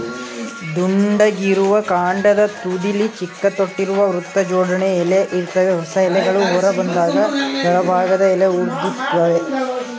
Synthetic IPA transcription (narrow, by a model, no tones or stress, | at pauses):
d̪uɳɖɐɡiɾuʋɐkaːɳɖɐd̪ɐt̪ud̪ilit͡ʃikːɐt̪oʈːiɾuʋɐʋɾut̪ːɐd͡ʒɔːɖɐɳɛɛleʔiɾt̪ɐʋeɦɔsɐɛlɛɡɐɭuɦɔɾɐbɐnd̪aːɡɐd͡ʒɛɭɐbʱaːɡɐd̪ɐɛleuɾd̪it̪ːɐʋe